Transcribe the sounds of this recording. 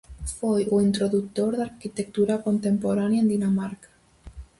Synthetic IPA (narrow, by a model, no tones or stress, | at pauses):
fojuint̪ɾoðuk̚t̪oɾðaɾkit̪ek̚t̪uɾakont̪empoɾanjaend̪inamaɾkḁ